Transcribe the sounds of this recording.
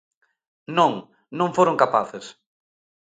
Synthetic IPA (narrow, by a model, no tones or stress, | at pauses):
nõŋ | nõŋfoɾõŋkapaθes